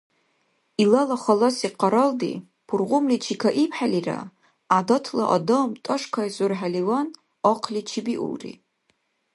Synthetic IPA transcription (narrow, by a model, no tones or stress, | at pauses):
ilalaχalosiqʰaɾəldḭ | pʰurʁʷʊmlit͡ʃʰikʰaʔipʰħalira̰ | adotʰla̰ʔadomtʼəʂkʰaizʼʊrħaliwan | oqʰlit͡ʃʰibiʔṵlrḭ